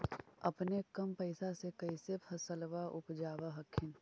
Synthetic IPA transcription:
ɐpnekɐmpəɪsasekəisepʰɐsəlʋaʔʊpd͡ʒaːʋaɦɐkʰɪn

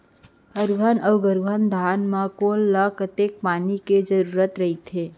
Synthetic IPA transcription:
əɾʋənʔəwɡəɾʋʱənd̪ʱaːnmãkonlakət̪ek̚paːniked͡ʒəɾuːɾət̪ɾəɦit̪ʰe

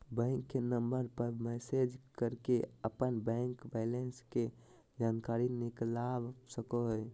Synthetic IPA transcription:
bɛ̃ːŋkːenəmbəɾpəɾmɛsed͡ʒkəɾkeəpənbɛ̃ŋkbɛɪlenske | d͡ʒaːnkaːɾinɪklabsəkoɦə

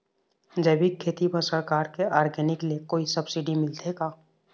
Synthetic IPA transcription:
d͡ʒɐːbikʰːeːt̪ipəɾsəɾkaːɾkeʔaːɾɡɛːnɪkliekoːisɐbsɪɖimɪlt̪ʰeɡaː

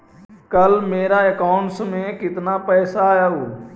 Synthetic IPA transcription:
kəlmeːɾaekaːʊɳʈsmẽkɪt̪napɛːsaaːjaɦoː

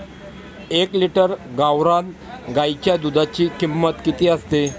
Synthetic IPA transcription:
ekliʈəɾɡawɾan | ɡajt͡ɕjad̪ud̪ʱat͡ɕiːkimːət̪kit̪iːəst̪e

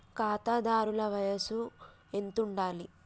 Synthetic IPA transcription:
kaːt̪aːd̪aːɾulɐʋɐjɐsu | e̞nt̪uɳɖaːli

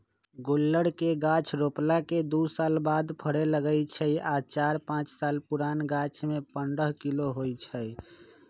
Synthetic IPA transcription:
ɡolːəɽkeɡat͡ʃʰɾoplaked̪usalbad̪pʰəɽeləɡəjt͡ʃʰəjat͡ʃaɾpãt͡ʃsalpuɾanɡat͡ʃʰmepəɳɖəɦkiloɦojt͡ʃʰəj

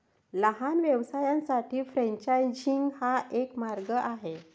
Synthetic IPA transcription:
ləɦanʋjɛʋsajãnsaʈiːfɾɛ̃ɲt͡ɕajd͡ʑiŋɡhaʔekmaɾɡəʔaɦe

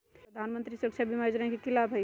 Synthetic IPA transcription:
ɾəd̪ʱanmənt̪ɾisəkt͡ʃʰabʱimad͡ʒɾəɦɛ̃kekilabʱɦəj

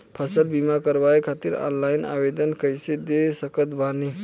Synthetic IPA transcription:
pʰəsəlbimakəɾʋajekʰat̪iɾɔ̰nlaina̰bed̪ənkəjsed̪esəkət̪bʱani

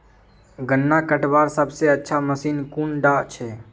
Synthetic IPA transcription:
ɡənːakəʈbaːɾsəbseətːʃʰaməsiːnkuːnɖaʔt͡ʃʰɛː

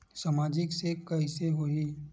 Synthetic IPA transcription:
saːmaːd͡ʒɪksekɐiseɦoɦiː

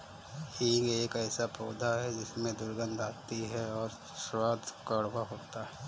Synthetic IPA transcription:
eːɡeːkɛːsapɔːd̪ʱaɦɛd͡ʒɪsmẽd̪ʊɾɡə̃nd̪ʱaːt̪iɦɛɔːɾ | swaːd̪ʱkəɽwaɦoːt̪aɦɛː

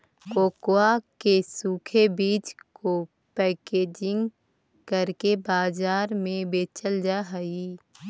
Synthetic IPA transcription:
koːkoakesuːkʰebiːt͡ʃko | pɛːkeːd͡ʒɪ̃ŋɡ | kəɾkebaːd͡ʒaːɾmẽbeːt͡ʃəld͡ʒaɦi

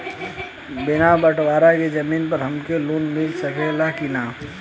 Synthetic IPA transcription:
bɪnabəʈwaːɾaked͡ʒɐmiːnpɐɾɦɐmkeluːnmɪlsəkelakinaː

